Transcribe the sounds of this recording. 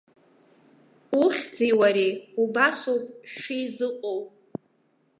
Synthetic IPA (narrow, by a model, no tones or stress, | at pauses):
uχʲd͡ziwaɾiubasowpʼʂijzɨqʼowpʼ